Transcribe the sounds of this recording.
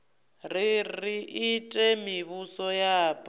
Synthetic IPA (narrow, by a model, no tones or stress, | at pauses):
ririʔitʼɛmiβusɔjaːpʼ